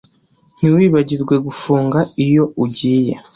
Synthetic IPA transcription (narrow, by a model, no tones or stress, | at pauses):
n̥iwiːβaɟiɾɡwe̞ɡufuːŋɡaijo̞uɟiːje